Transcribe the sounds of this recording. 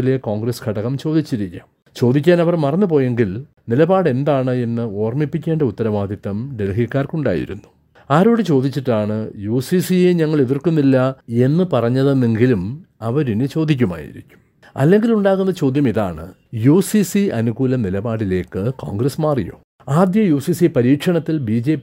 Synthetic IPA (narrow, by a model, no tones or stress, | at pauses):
ile̞koːŋɡrɐskʰɐɽɐkːɐmt͡ɕo̞ːd̪ʱit͡ɕːiɾikʲːa̰ːm | t͡ɕo̞ːd̪ikʲːaːnɐʋɐrmɐrɐnːɨpo̞ːje̞ŋɡil | nilɐbaːɽe̞nd̪aːɳɨe̞nːɨo̞ːrmipːikʲːe̞ːɳɖɐut̪ːɐɾɐʋaːd̪ʱjit̪ːɐmɖe̞lɦikːaːrkuɳɖa̰ːjḭɾṵnːu̥ | aːɾo̞ːɽɨt͡ɕo̞ːd̪it͡ɕːiʈːaːɳɨjuːsisijeɲɐŋːɐɭeðirkunːilːɐe̞nːɨpɐrɐɲːɐðenːeŋɡilum | ɐʋɐɾinɨt͡ɕo̞ːd̪ʱik̬ʲːuma̰ːjḭɾḭkʲːu̥m | ɐ̰lːe̞ŋɡiluɳɖaːɣunːɐt͡ɕo̞ːd̪ʱjɐmiðaːɳɨ̰ | juːsisiɐnuɣuːlɐmnilɐbaːɽile̞ːkːɨko̰ːŋɡrɐsmaːrijo̞ː | aːd̪jɐjuːsisipɐɾiːkʂɐɳɐt̪ːilbiːd͡ʑe̞ːp